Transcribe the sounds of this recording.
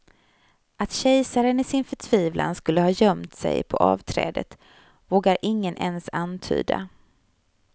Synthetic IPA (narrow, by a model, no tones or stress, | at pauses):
ʔat̪ɕɛjsaɾənɪsɪnfœʈʰv̥iːvlʔa̰nskɵlːəhɑːjœmt̪sɛ̰jpʰɔʔɑːvt̪ʰɾɛ̰ːd̪ə̰t̪ | voːɡaɾʔɪŋːənʔɛnsant̪ʰy̰ːd̪a̰